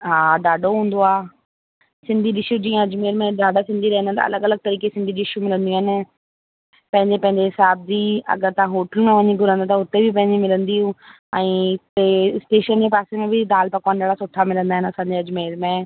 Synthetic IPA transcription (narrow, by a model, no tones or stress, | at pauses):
ɦaːɖaːɖoɦũːn̆d̪oaː | sɪ̃nd̪ʱiɗɪʃjud͡ʑĩːə̃ɐd͡ʑmeːɾmẽɖaːɖasɪ̃nd̪ʱiɾɐɦɪ̃nət̪ɐ̰ɐ̰ləɡɐləɡ̚t̪ɐɾiːkesɪ̃nd̪ʱiɗiɪɪʃjumɪlə̃nd̪ijaɦɪnɪ̆ | pɐ̃ɦɪ̃ɲd͡ʑepɐ̃ɦɪ̃ɲd͡ʑeɦɪsaːb̚d͡ʑiːɐ̰ɡəɾt̪ɐãɦoːʈəlmẽʋɐɲiɡʱʊɾə̃nd̪at̪ɐɦʊt̪ebʱɪpɐ̃ɦɪ̃ɲd͡ʑimɪlə̃nd̪iɦũ | ɛ̃ːesʈeːʃənd͡ʑeːpaːsemẽbɪd̪aːlpakoːnɗaːɽasʊʈʰamɪlə̃nd̪aːɦɪnɪɐsãːɲd͡ʑeɐd͡ʑmeːɾmẽ